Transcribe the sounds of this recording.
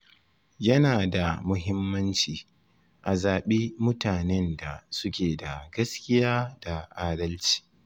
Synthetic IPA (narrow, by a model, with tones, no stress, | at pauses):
jɐ˦naː˨da˨mʊ˦ɦɪ˦mːɐ˦nt͡ʃiː˨ | ʔa˨zaː˨ɓi˦mʊ˦taː˨nɛ˦nda˨sʊ˦kʲeː˨da˨ɡɐ˦skʲɪ˦jaː˦d̥a˨ʔaː˦dɐ˦lt͡ʃi̥ː˨